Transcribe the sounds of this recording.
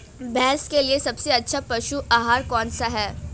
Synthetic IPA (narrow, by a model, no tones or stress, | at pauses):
bɛ̃ːskeliesɐbseɐtːʃʰapɐʃuʔaːɦaːɾkɔːnsaɦɛː